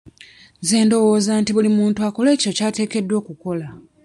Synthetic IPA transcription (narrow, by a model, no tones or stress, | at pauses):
ze̞ːndo̞wo̞ːzaːntiβulimuːntuako̞le̞ːco̞caːte̞ːke̞dːwo̞ːkuko̞la